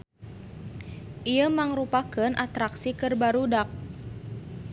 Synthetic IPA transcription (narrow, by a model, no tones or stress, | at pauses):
ʔijəmaŋɾupakənʔat̪ɾaksikərbaɾudak̚